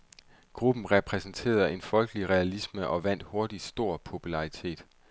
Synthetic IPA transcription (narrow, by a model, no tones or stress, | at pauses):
ɡ̥ʁub̥n̩ʁɛpʰʁɛsn̩t͡sʰe̝̰ːɐð̩ˠe̝nfɒ̽lɡ̥əliʁɛælisməʔɒ̽ʋæn̰d̥ho̝ɐd̥id̥sd̥o̝ɐ̰pʰo̝pʰulɑ̈ʁit͡sʰe̝̰ːd̥